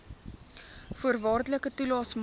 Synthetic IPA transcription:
fuərvɑːrdələkətulɑːsm

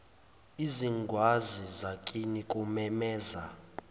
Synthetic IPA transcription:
iziŋɡʱwazizakʼinikʼumɛmɛːza̰

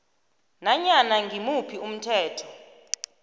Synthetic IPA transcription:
naɲanaŋɡʱimupʰium̩tʰɛːtʰɔ̥

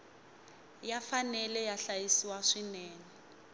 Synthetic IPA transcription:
jafanɛlɛjaɬajisiwaʂinɛːŋɛ

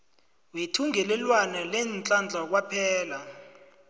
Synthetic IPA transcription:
wetʰuŋɛlɛlwanalɛnt͡ɬʼand͡ɮʱak̬wapʰɛːla

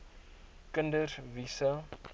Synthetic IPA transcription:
kəndərvisa

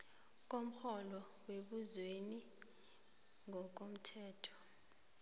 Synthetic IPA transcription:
k̬ʼom̩xɔlɔ | weɓuzweni | ŋɔk̬om̩tʰɛːtʰɔ̥

